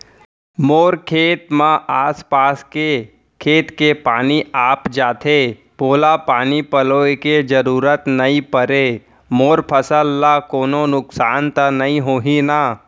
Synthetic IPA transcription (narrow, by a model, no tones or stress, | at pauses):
moːɾkʰeːt̪mãʔaːspaːske | kʰeːt̪kepaːniaːpd͡ʒaːt̪ʰeː | poːlapaːnipɐloːeked͡ʒəɾuːɾət̪nɐĩpəɾe | moːɾpʰəsəlːakoːnonʊksaːnt̪ənɐĩɦoːɦina